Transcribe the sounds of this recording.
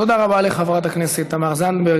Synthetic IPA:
od̪aʁabaleχavʁat̪aknisit̪amaʁzand̪beʁɡ

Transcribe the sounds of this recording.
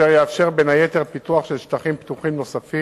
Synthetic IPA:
eʁjeafʃe̞ʁbenaje̞teʁpituaχʃelʃtaχimpt̪uχimnosafi

